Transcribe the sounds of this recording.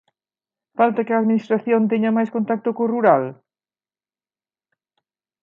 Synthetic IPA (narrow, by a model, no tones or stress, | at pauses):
falt̪akɪaːðminist̪ɾaθjont̪ɛɲɐmajskõnt̪ak̚t̪ʊkoruɾal